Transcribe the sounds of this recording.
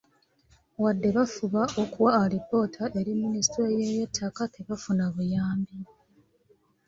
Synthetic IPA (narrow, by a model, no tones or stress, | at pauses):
wadːe̞βafuβaʔokuwaːlipo̞ːtʰaʔe̞ɾimːinistɾejejetʰːakatʰeβafunaβujaːmbi